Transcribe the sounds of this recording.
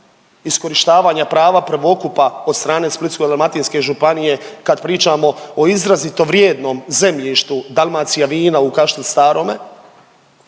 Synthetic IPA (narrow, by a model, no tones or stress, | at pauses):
isko̞ɾiʃt̪aːʋaːɲapɾaːʋapɾ̩ʋo̞kupao̞d̪st̪ɾaːne̞ːsplit̪skod̪almat̪inske̞ʒupanije̞kad̪pɾiːt͡ʃaːmo̞oizɾazit̪o̞ʋɾjeːd̪noːmze̞mʎiʃt̪ud̪alˠmat̪sijaʋiːnaukaʃt̪ist̪aːɾo̞me̞